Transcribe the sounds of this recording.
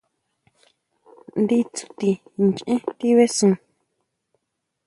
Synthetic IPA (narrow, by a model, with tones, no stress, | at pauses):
nd̪i˧t͡su̥˧t̪i˧ŋt͡ʃʔẽ˦t̪i˦βe˦sũ˧